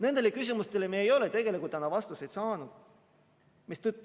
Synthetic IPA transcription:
ne̞nd̪elekys̬ʲimust̪e̞lemiːejo̞let̪e̞ɡ̥e̞likult̪ɑnɑvɑst̪usejt̪sɑːnud̪̥ | mist̪yt̪ːˑ

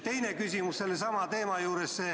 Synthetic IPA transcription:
t̪e̞jnekysʲimusse̞lːesɑmɑt̪e̞ːmɑjuːɾesse

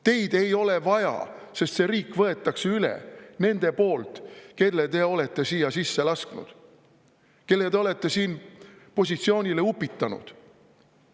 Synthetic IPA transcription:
t̪e̞jd̪̥e̞jo̞le̞vɑjɑ̰se̞st̪se̞ɾiːkːvɤe̞t̪ːˑɑkseylḛne̞nd̪̥e̞po̞ːlt̪ke̞lːet̪e̞o̞le̞t̪ːe̞siːjɑsisːe̞lɑsknṵd̪̥ | ke̞lːe̞t̪eo̞le̞t̪ːe̞siːnpo̞sʲit̪sio̞ːnʲile̞upːit̪ˑːɑnṵd̪̥

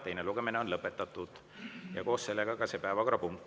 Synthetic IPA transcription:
t̪e̞jneluɡ̥e̞mineo̞nlɤpːˑe̞t̪ːˑɑt̪ːˑud̪̥ | jɑko̞ːsse̞lːe̞ɡ̥ɑkɑsepæevɑkɾɑpuŋkː

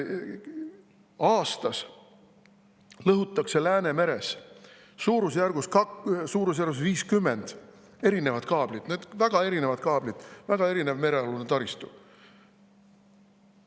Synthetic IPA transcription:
ɑːst̪ɑs | lɤɦut̪ˑːɑkse̞læːne̞me̞ɾesː | uːɾusjærɡ̥uskɑsuːɾus̬jærɡus̬viːskymːend̪̥ | e̞ɾine̞vɑd̪̥kɑːb̥lid̪̥neːd̪̥væɡ̥ɑe̞ɾine̞vɑd̪̚kɑːb̥lid̪̥væɡ̥ɑe̞ɾine̞vme̞ɾe̞ɑlunet̪ɑɾist̪u

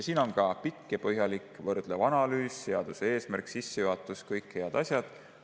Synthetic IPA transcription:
jɑsiːno̞nkɑpikːepɤɦjɑlikvɤrd̪̥levɑnɑlyːse̞ɑd̪̥usee̞ːsmærksisːejuɦɑt̪ːˑuskɤjkhe̞ɑd̪̥ɑsjɑd̪̥

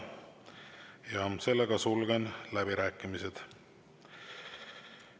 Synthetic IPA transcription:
jɑse̞lːeɡɑsulɡenlæbiɾæːkːˑimised̪̥

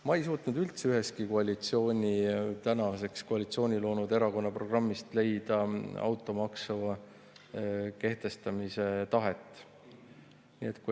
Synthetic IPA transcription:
mɑe̞js̬uːt̪nud̪ylt̪seyɦe̞s̚kiko̞ɑlʲit̪sio̞ːnʲit̪ænɑse̞kskoɑlʲit̪sio̞ːnʲilo̞ːnud̪e̞ɾɑko̞nːɑpro̞ɡ̥rɑmːist̪le̞jd̪̥ɑɑ̰wt̪ˑːo̞mɑksɑvɑ | ke̞ht̪e̞st̪ɑmise̞t̪ɑɦe̞t̪ːˑ | nḭe̞t̪ku

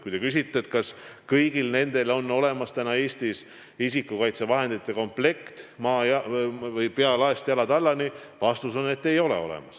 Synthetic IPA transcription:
kujt̪e̞kys̬ʲit̪ːˑeet̪kɑskɤjɡ̥ilne̞nd̪̥e̞lo̞nːo̞le̞mɑst̪ænɑe̞ːst̪is | isikːˑukɑjt̪se̞vɑɦe̞nd̪it̪ːˑe̞ko̞mple̞kt̪mɑːjɑvɤjpeɑlɑest̪jɑlɑd̪ɑlːɑnivɑst̪uso̞ne̞t̪ːe̞jo̞le̞̰o̞̰lɛ̰mɑs

